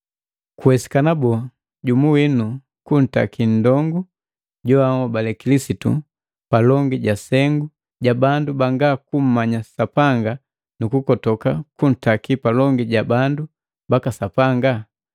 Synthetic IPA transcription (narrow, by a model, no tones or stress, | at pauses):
kuwɛsi̥kanabɔ | ɟumuwinu | kun̩ta̰kin̩dɔŋɡu | ɟɔaŋɔbalɛkilisitṵ | palɔŋɡiɟasɛŋɡu | ɟabandubaŋɡakum̩maɲasapaŋɡa | nukukɔtɔkakun̩takipalɔŋɡiɟabandu | bakasapaŋɡa